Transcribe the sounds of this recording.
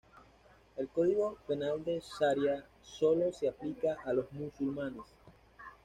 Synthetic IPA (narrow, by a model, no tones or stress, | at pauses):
e̞lko̞ðiɣo̞pe̞nald̪e̞saɾja | so̞lo̞seaplikaʔalo̞zmusulmanes